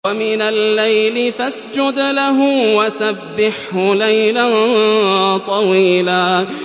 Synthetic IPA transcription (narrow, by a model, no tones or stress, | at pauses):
wamɪnalːajlɪfasd͡ʒʊd̪laɦʊwasabːɪħhʊlajlan | t̪ˤɑwiːlaː